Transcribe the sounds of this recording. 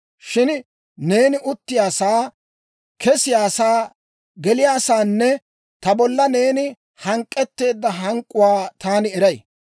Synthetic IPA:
ʃɪn | ne̞ːnɪʔʊt̪ːɪjaːsaː | kʰɛsɪjaːsaː | ɡɛlɪjaːsaːnːɛ | t̪ɐbɔlːɐne̞ːnɪ | hɐŋkʼːɛt̪ːe̞ːd̪ːɐɦɐŋkʼːʊwaːt̪aːnɪɛɾɐj

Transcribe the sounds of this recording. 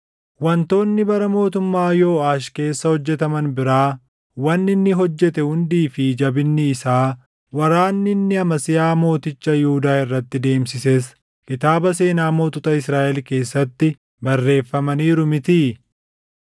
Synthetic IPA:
wɐnt̪o̞ːnːɪbɐɾɐmo̞ːt̪ʊmːaːjo̞ːaːʃke̞ːsːɐhɔd͡ʒːɛt̪ɐmɐnbɪɾaː | wɐnːɪnːɪɦɔd͡ʒːɛt̪ɛhʊnd̪iːfɪd͡ʒɐbɪnːɪːsaː | wɐɾaːnːɪnːɪɐmɐsɪjaːmo̞ːt̪ɪt͡ʃːɐjʊhʊd̪aːɪrːɐt̪ːɪd̪e̞ːmsɪses | kɪt̪aːbɐs̬e̞ːnaːmo̞ːt̪ʊt̪ɐɪsɾaːʔɛlke̞ːsːɐt̪ːɪ | bɐrːe̞ːfːɐmɐniːɾʊmɪt̪iː

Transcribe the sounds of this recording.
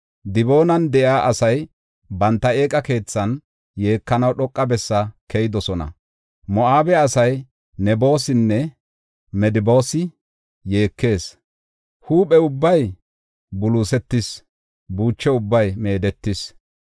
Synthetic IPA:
d̪ɪbo̞ːnɐnd̪ɛjaːʔɐsɐj | bɐnt̪ːɐe̞ːkʼɐke̞ːt͡sːɐn | je̞ːkːɐnɐwɗɔkʼːɐbɛsːɐkʰɛjɪd̪ɔsɔnɐ̰ | mɔʔaːbɛɐsɐj | nɛbo̞ːsɪnːɛ | mɛd̪ɪbo̞ːsɪ | je̞ːkːe̞ːs | huːpʼɛʊbːɐj | bʊluːsɛt̪ːɪs | buːt͡ʃːɛʊbːɐjme̞ːd̪ɛt̪ːɪs

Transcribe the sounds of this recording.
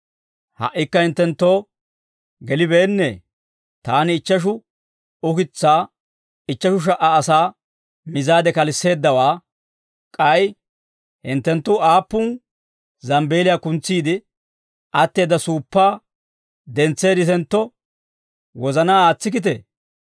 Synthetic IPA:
hɐ̰ʔːɪkːɐhɪnt̪ːɛnt̪ːo̞ː | ɡɛlɪbe̞ːnːḛː | t̪aːnɪːt͡ʃːɐʃ̬ʊ | ʊkɪt͡sːaː | ɪt͡ʃːɐʃʊʃ̬ɐʔɐːsaː | mɪzaːd̪ɛkɐlɪsːe̞ːd̪ːɐwaː | kʼɐj | hɪnt̪ːɛnt̪ːʊaːpːʊn | zɐmbe̞ːlɪjaːkʊnt͡sːiːd̪ɪ | ʔɐt̪ːe̞ːd̪ːɐsuːpːaː | d̪ɛnt͡sːe̞ːd̪ɪt̪ɛnt̪ːɔ | wɔzɐnaːaːt͡sːɪk̬ɪt̪̬ɛ̰

